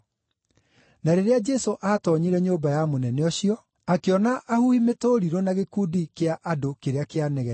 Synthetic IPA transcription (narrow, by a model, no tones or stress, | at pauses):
naɾeɾead͡ʒɛsoʔatɔɲiɾɛɲombajamonɛnɛɔɕiɔ | akeɔnaʔːhuimetoɾiɾonaɣekuːdikeaʔadokeɾeakeanɛɣɛ